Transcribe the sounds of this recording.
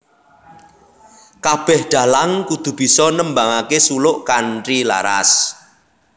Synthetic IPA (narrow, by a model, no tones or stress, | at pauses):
kab̥ɛhɖ̥a̤laŋkud̪̥ṳb̥i̤sɔnəmbaŋakesulʊʔkanʈɾila̰ɾa̰s